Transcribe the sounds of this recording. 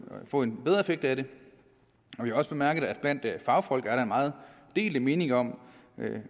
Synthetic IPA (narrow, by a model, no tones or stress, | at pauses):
fɔ̰̽ːe̝nb̥eð̞ˠʁɐe̝feɡ̥d̥æɾe̝ | ɒ̽ʋihɑ̈ɒ̽sb̥e̝mæɐɡ̥əð̩ˠæd̥b̥læn̰d̥fɑ̈ʊfɒ̽l̰ɡ̥æɐɾ̥ɑ̈enmɑ̈ːð̞̩ˠ | d̥e̝̰ːləme̝ːne̝ŋɐɒ̽m̰